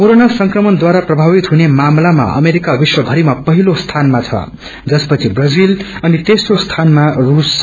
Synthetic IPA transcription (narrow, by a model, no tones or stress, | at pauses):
koɾonasʌŋkrʌmʌnd̪waɾaprʌbʱaβit̪ɦunemamlama̰ʔʌ̰meɾikabiswʌbʱʌɾimapʌɦilost̪ʰanmat͡sʰʌ̰ | d͡zʌspʌt͡sʰibrʌd͡zilʌnit̪esrost̪ʰanmarus